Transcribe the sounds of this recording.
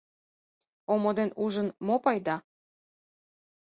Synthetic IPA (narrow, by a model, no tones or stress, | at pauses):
omod̪enuʒənmopɑjd̪ɑ